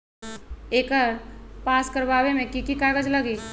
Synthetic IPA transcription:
eːkəɾpaːskəɾbaːbemẽkikikaːɡəd͡ʒləɡiː

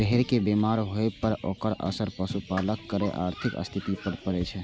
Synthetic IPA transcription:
əɦeɾkebemaɾɦoepəɾo̰kəɾə̰səɾpəsupaləkːəɾɛʔa̰ːɾt̪ʰikə̰st̪ʰit̪ipəɾpəɾɛt͡ʃʰɛ

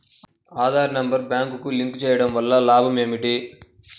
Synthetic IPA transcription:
aːd̪ʱaːɾɐnɐmbɐɾbjaːŋkukuliŋkt͡ʃɛːjɐɽɐmʋɐlːɐlaːbʱɐmeːmiʈi

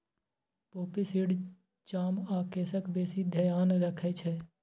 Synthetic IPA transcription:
poːpɪsɪɽ | t͡ʃaːmaːkeːsəkbeːsid̪ʱəjaːnɾəkʰɛt͡ʃʰɛː

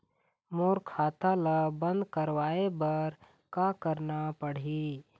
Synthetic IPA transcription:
moːɾkʰaːt̪alabə̃nd̪kəɾwaːebɐɾ | kakəɾnapəɽ̤i

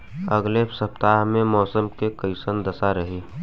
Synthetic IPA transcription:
əɡlesəpt̪aːɦmẽmɔːsəmkekəɪsənd̪ɐsaɾəɦi

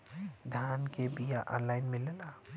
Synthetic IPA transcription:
d̪ʱaːnkebijaʔɔ̰̃ːnlaːɪnmẽlela

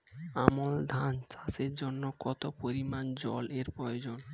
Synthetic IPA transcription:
amold̪ʱant͡ɕaseɾd͡ʑonːokɔt̪opoɾimand͡ʑɔleɾpɾɔjod͡ʑon

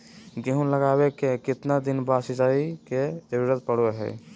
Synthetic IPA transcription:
ɡeɦũləɡaːwekekɪt̪nad̪ɪnbaːsid͡ʒaːiked͡ʒəɾuɾət̪pəɽoeɦɛ̰ː

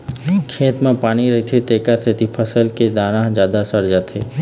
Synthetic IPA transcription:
kʰeːt̪mẽpaːɽ̃iɾɐɦit̪ʰet̪eːkat̪ʰet̪ipʰəsəlked̪aːñãɦd͡ʒjaːd̪asəɾd͡ʒaːt̪ʰḛ

